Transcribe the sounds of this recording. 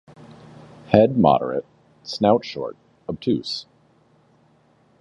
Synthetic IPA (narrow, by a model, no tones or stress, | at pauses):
hɛd̚mɑ̰ɾə̰˞ɨ̰t̚ | snaʊtʃɔ̰ɹɾ̚ | ʌb̚tʰʉs